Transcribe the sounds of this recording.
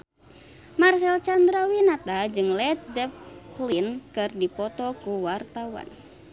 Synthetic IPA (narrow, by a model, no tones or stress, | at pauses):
marsɛlt͡ʃand̪ɾawinat̪ad͡ʒɨŋlɛt̪̚zɛplinkɨrdipɔt̪ɔkuwart̪awa̰n